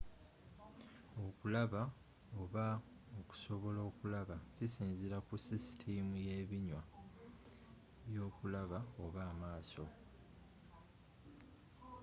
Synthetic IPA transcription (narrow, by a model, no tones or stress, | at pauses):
o̞kulaβa | o̞βa | oku̥so̞βo̞lo̞ːkulaβacisiːnziɾakusisi̥tʰimujeβiɲwa | βjo̞ːkulaβao̞βaːmaːso̞